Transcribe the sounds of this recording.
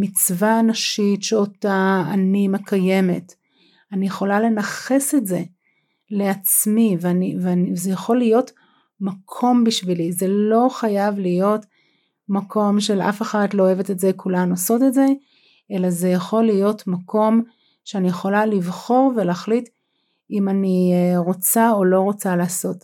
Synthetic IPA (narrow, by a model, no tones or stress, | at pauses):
mit͡svaːnaʃitʃeotaanimekʰaje̞met | anijeχo̞lale̞naχe̞setze̞ | le̞at͡smiveanivanizejaχo̞lːijo̞t | makʰo̞mbiʃvilize̞lo̞χajavlijo̞t | makʰo̞mʃe̞lʔa̰feχatlo̞ːeve̞tetzekulanuaso̞tetze̞ | ʔe̞laze̞jaχo̞lijo̞tmako̞m | ʃeanijeχo̞lalivχo̞ʁve̞leːχlit | imaniʁo̞t͡sao̞lo̞ʁo̞t͡saleːso̞t